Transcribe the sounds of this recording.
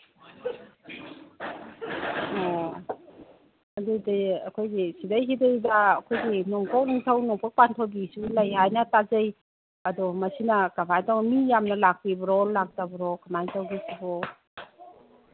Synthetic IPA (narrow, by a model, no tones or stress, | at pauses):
ɔ | adudiɐkʰojɡisidajɦidajbaːkʰojɡinɔŋkʰawniŋtʰawnɔpʰak̚pantʰɔbisulajɦajnatazaj | ɐdɔmasinakabʰajtɔŋmijamnɐlak̚pibɔɾɔlak̚tabɔɾɔkʰamajntawɡisibɔ